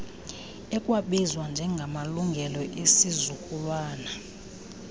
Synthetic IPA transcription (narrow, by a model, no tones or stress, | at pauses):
ɛkʼwaɓɛzwand͡ʒʱɛŋɡʱamaluŋɡʱɛlɔʔesizukʼulwaːna